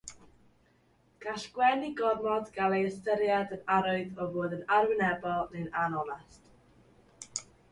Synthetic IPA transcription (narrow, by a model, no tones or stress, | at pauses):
ɡ̥aɬɡ̥wɛniɡɔrmɔdɡalˠejəstəɾjadənaɾʊɨðɔvoːðənarwɪnɛbɔlˠnɛnanɔnast